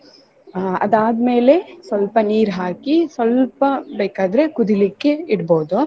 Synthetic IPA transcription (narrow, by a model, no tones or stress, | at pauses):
ɐ̰d̪aːd̪me̞ːle̞sʋɐlpɐniːɾɦaːkisʋɐlpɐbeːkaːd̪ɐɾekud̪ilikːe̞iɽboːd̪u